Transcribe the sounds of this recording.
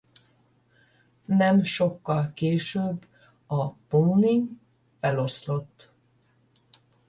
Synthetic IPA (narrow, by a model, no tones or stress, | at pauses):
nɛmʃo̞kːɒlkeːʃøbː | ɒpoːniŋ | fɛlo̞slo̞t̪ː